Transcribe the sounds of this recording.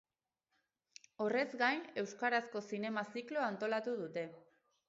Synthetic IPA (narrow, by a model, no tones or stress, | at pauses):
o̞re̞zɡajne̞wskaɾasko̞sine̞masikloant̪o̞lat̪uð̞ut̪e̞